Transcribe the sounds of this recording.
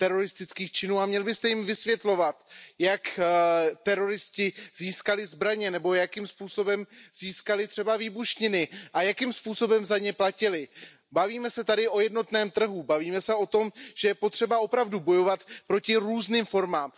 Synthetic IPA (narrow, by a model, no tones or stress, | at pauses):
t̪ɛɾo̞ɾɪst̪ɪt͡skiːxt͡ʃɪnuːamɲɛlbɪst̪ɛjɪmvɪsvjɛt̪lo̞vat̪jak | t̪ɛɾo̞ɾɪscɪziːskalɪzbɾaɲɛnɛbo̞jakimspuːso̞bɛmz̥iːskalɪt̪r̥ɛbaviːbuʃɲɪnɪʔajakimspuːso̞bɛmzaɲɛplacɪlɪ | baviːmɛsɛt̪adɪʔo̞jɛdno̞t̪nɛːmt̪r̩ɦubaviːmɛsɛo̞t̪o̞mʒ̥ɛjɛpot̪r̝̥ɛbao̞pɾavdubo̞jo̞vat̪pɾo̞cɪɾuːzniːmfo̞ɾmaːm